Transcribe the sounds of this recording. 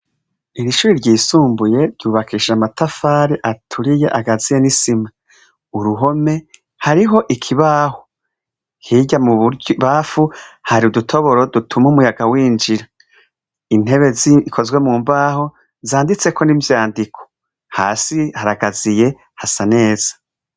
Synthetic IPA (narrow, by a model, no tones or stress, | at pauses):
iɾiʃuːɾiɾɟiːsuːmbuje̞ɾɟuːβakiʃamatafaːɾiʔatʰuɾije̞ʔaɡazije̞nisima | uɾuɦo̞me̞ | haɾiɦo̞ʔikʰiβaːho | hiɟamuβaːfuhaɾiudutʰo̞βo̞ɾo̞dutʰumumujaɡawiːnd͡ʒiɾa | in̥e̞βe̞ziikʰo̞zɡwe̞muːmbaːho̞ | zaːndit͡se̞kʰo̞nivjaːndikʰo̥ | ha̰ːsihaɾaɡazije̞ | hasane̞ːz̥ḁ